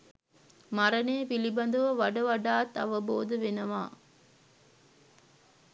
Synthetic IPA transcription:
maɾɐneːpilibɐnd̪ɐʋɐʋɐɖɐʋɐɖaːt̪ɐ̰ʋɐboːd̪əʋenɐʋaː

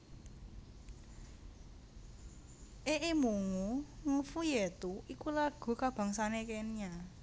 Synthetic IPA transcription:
ʔeʔemuŋuŋufujet̪uikulaɡ̥ṳkab̥ä̤ŋsanekenia

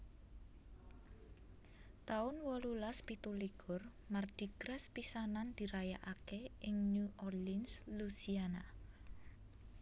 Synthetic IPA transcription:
t̪aʊnwɔlulaspit̪uliɡ̥ʊr | mard̪̥i̤ɡ̥ɾɛspisanand̪̥i̤ɾajaʔakeɪŋnuʔɔrlinslusiana

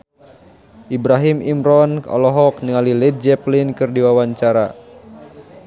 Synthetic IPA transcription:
ʔibɾaɦimimɾɔnɔ̰lɔɦɔk̚niŋalilɛt̪̚d͡ʒɛplinkɨrdiwawaɲt͡ʃaɾa

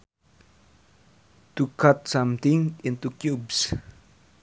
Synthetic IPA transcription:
tukʰatsãmt̪ĩŋĩnt̪ukjubs

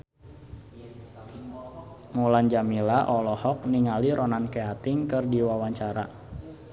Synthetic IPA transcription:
muland͡ʒamilaʔɔlɔhɔk̚niŋaliɾʔɔnankeat̪ɪŋkɨrdiwawaɲt͡ʃaɾa

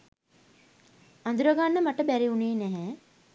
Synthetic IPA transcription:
and̪uɾəɡanːəmaʈəbæɾiuneːnæɦɛː

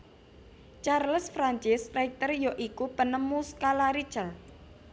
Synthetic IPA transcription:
t͡ʃarləsfɾaɲt͡ʃɪsrɛk̚t̪ərjoʔikupənəmuskalaɾi̥t͡ʃəl

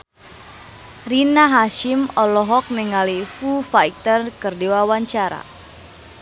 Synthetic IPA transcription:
rinaɦaʃɪmɔlɔɦɔk̚nɛŋalifufaik̚t̪ərkɨrdiwawaɲt͡ʃaɾa̰

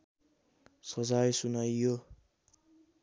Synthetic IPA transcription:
sʌd͡zajsunʌjːo

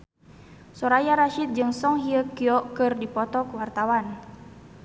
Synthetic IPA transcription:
sɔɾajaɾaʃit̪̚d͡ʒɨŋsɔŋɦiəkiɔkɨrdipɔt̪ɔkwart̪awan

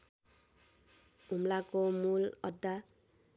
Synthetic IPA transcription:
umlakomulʌ̰d̪ːa

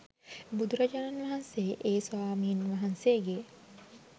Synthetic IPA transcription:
bud̪ʱuɾad͡ʒananʋaɦanseʔeːswaːmiːnʋaɦanseːɡe

